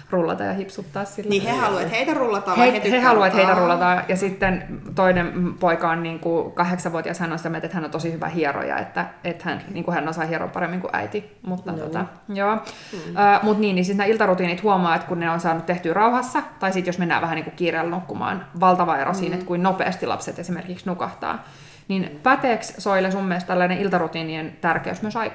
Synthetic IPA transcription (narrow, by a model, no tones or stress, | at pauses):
rulːɑ̰t̪ɑ̰jɑhipsut̪ːɑːssilːihehɑluɑt̪heit̪ærulːɑt̪ɑheihehɑluɑt̪heit̪ærulːɑt̪ɑjɑsit̪ːent̪oinempoikɑonniːŋkukɑɦeksɑʋʋuot̪iɑshænːonsit̪æmet̪et̪hænːont̪osihyʋæ̰hiero̰jɑ̰ḛt̪ːæet̪hænniːŋkuhænːonsɑihieɾo̰mpɑɾemːiŋkṵʔæ̰it̪i | mut̪ːɑt̪o̰t̪ɑ | joː | mut̪niːnːisit̪næilt̪ɑrut̪iːnit̪huomɑːet̪kunneonsɑːnut̪t̪eht̪yːrɑuhɑsːɑt̪ɑisit̪josmenːæ̰ːʋæhænniːŋkukkiːreːlnukːumɑ̰ːnʋɑlt̪ɑʋɑḛɾʔo̰siːnet̪kuinnopḛːst̪ilɑ̰pset̪esimerkiksnukɑht̪ɑ̰ː | ninpɑt̪eːkssoilesumːiest̪ælːæineʔilt̪ɑrut̪iːnint̪ærkḛysmyøsɑi